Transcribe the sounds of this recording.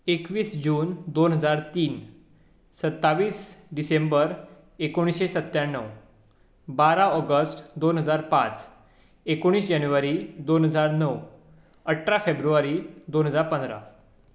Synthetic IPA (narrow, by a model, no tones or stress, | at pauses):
ekʋiːsd͡ʑuːnd̪onɦəd͡zaɾt̪iːn | sət̪ːaʋiːsɖisẽmbəɾ | ekoɽ̃isɕesət̪jaɳːəʋ | baɾãɔɡəsʈd̪onɦəd͡zaɾpãt͡s | ekoɽ̃iːsd͡ʑanuʋaɾid̪onɦəd͡zaɾnəw | əʈʰːɾafebɾuʋaɾiːd̪onɦəd͡zaɾpə̃nd̪ɾa̰